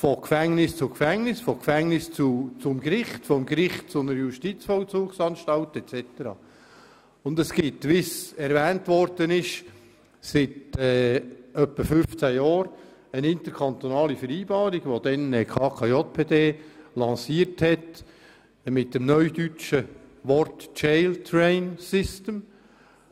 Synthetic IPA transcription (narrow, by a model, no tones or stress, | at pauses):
fɔkfæŋnɪst͡sʊkfæŋnɪsfɔkfæŋnɪst͡sut͡sʊmɡɾɪχtfɔmɡɾɪχt̚t͡sʊnəɾəjuʃtit͡sfɔlt͡suːksɑnʃtɑltɛt͡sɛt̪əɾɑ̰ː | ʊndəsɡ̥ɪt̪ʋisɛɾvæːntʋɔrd̪̥ənɪʃ | sɪtɛːœpːəfʏft͡sæjɑːɾ | ənɪnt̪əɾkʰɑnt̪onɑːlifəɾiːbɑːɾiɡ̥ʋod̥̪ɛnəkʰɑːkʰɑjot̚pʰeːdeːlɑsiːəɾthɛt | mɪt̚dəmnœʏdyt͡ʃəʋɔɾtt͡ʃɛlt̪ʰɾɛɪnsɪstəm